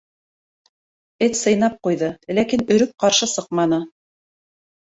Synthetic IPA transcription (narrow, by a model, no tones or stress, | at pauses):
ɘt̪ʲsɤ̆jnɑp̚qujðɤlækinɵ̆ɾɵp̚qɑɾʃɤsɤqmɑnɤ